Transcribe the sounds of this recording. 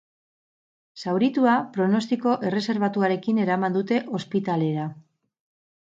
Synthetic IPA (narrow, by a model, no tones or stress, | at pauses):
sawɾit̪uapɾo̞no̞st̪iko̞ʔe̞re̞se̞ɾβ̞at̪uaɾe̞kine̞ɾamand̪ut̪e̞ʔo̞spit̪ale̞ɾa